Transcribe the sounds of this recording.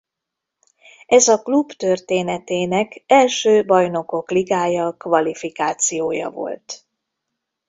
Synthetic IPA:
ɛzɒklubt̪ørt̪eːnɛt̪eːnɛkɛlʃøːbɒjno̞ko̞kliɡaːjɒkvɒlifikaːt̪sijoːjɒ̰vo̞̰lt̪

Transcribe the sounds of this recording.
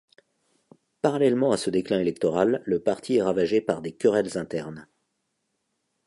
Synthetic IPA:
paʁalɛlmɑ̃asəd̪eklɛ̃elɛk̚t̪ɔʁalːəpaʁt̪ʰiɛʁavaʒepaʁd̪ekʲəʁɛlzɛ̃t̪ɛʁn

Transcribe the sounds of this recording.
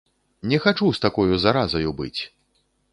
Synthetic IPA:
nʲɛxat͡ʂust̪akɔjuzaɾazɐjubɨ̰t͡sʲ

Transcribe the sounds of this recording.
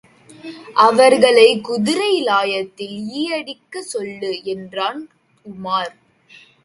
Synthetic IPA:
ʔɐʋɐɾɣɐɭɐɪkʊðɪɾɐɪlaːjɐt̪ːɪliːjɐɽɪkːɐsɔlːɯɛndraːn | k̚ʊmaːɾ

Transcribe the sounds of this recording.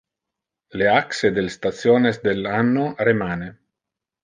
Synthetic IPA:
leaksed̪elst̪at̪sjoːnesd̪elanːoremaːne

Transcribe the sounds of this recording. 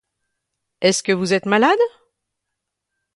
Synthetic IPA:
ɛskəvuzɛt̪malad̪

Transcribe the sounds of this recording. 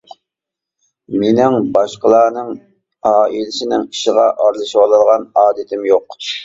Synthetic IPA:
menɪŋbɑʃqəlˠɑːnɨŋ | ɑːilɪsɪnɪŋi̥ʃɪʁɑʔɑɾlˠɨʃiwɑlˠɨlˠʁɑnɑːd̪ɪt̪ʰɪmjoq

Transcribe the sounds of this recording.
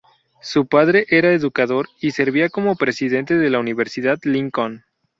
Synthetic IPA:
supaðɾe̞ʔe̞ɾaeðukaðo̞ɾise̞ɾβiako̞mo̞pɾe̞siðe̞nt̪eðe̞launiβe̞ɾsiðaðliŋkon

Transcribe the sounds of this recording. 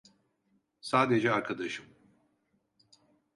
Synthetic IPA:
saːd̪ed͡ʒɛaɾkʰad̪aʃɯm

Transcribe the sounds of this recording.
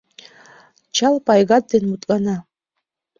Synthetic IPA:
t͡ʃʰalpʼajɡad̚dinmutʼkʼana

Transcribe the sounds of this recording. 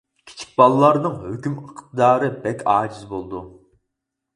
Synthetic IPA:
kʲʰi̥t͡ʃʰi̥k̚ʲbɑlˠɨlːˠɑɾnɨŋhøkʲyməqʰt̪d̪ɑːɾɨbɛkʲʰɑːd͡ʒizbolˠd̪u

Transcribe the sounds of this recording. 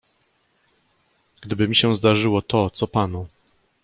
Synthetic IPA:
ɡ̥d̪ɘbɘmʲiɕɛzd̪aʐɘwɔt̪ɔt̪sɔpanu

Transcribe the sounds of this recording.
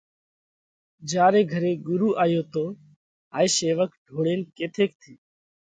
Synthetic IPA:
d͡ʒjaːɾeːɡʱəɾeːɡʊɾuːʔaːjoːt̪oː | aːiːseːʋəkɖʱoːɽeːnkeːt̪ʰeːk̚t̪ʰiː

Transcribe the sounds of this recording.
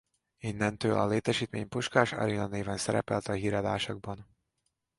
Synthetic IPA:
inːɛnt̪øːlɒ̰leːt̪ɛʃiːt̪meːɲpuʃkaːʃɒ̰ɾinɒneːvɛnsɛɾɛ̰pɛlt̪ɒɦiːɾɛd̪aːʃɒɡ̚bɒn

